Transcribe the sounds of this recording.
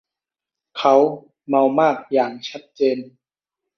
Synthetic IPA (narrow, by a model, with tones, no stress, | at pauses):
kʰa˦˥w | ma˧wmaː˥˩k̚jaː˨˩ŋt͡ɕʰa˦˥t̪̚t͡ɕeː˧n